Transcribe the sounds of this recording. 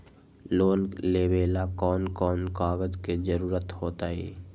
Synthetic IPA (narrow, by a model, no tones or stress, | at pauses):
loːnleːbeːlakɔːnkɔːnkaːɡəd͡ʒked͡ʒəɾuːɾət̪hoːt̪aːḛː